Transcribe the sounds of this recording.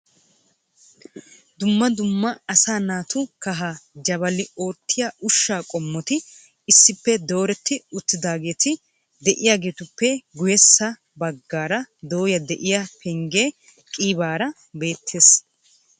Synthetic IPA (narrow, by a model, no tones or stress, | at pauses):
d̪ʊmːɐd̪ʊmːɐɐsaːnaːt̪ʊkɐɦad͡ʒɐbɐlɪo̞ːt̪ːɪjaːʔʊʃːaːkʼɔmːɔt̪ɪ | ɪsːɪpːɛd̪o̞ːɾɛt̪ʰːɪʊt̪ːɪd̪aːɡe̞ːt̪ɪ | d̪ɛʔɪjaːɡe̞ːt̪ʊpːɛɡʊjɛsːɐ | bɐɡːaːɾɐd̪o̞ːjɐd̪ɛʔɪjɐpʰɛŋɡeː | kʼiːbaːɾɐ | be̞ːt̪ʰːe̞ːs